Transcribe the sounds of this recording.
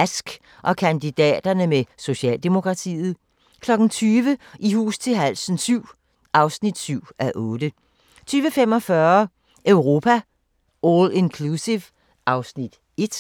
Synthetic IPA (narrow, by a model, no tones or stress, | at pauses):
æsɡ̥ | ʔɒ̽kʰænd̥id̥ɛ̰ːd̥ɐnəmeso̝ɕɛ̰ːld̥emo̝kʰʁɑ̈t͡sʰḭːð̞̩ˠ | kʰlɒ̽ɡ̥n̩t͡sʰyːʋəʔiɦṵːst͡sʰe̝lɦæl̰sn̩syʊ̰ | ʔɑ̈ʊsnid̥syʊ̰æʔɔ̽ːd̥ə | t͡sʰyːʋəfem̰ɒ̽fɶɐ | ʔøʊʁo̝ːpʰæ | olenkʰlusiʋ | ʔɑ̈ʊsnid̥ | e̝d̥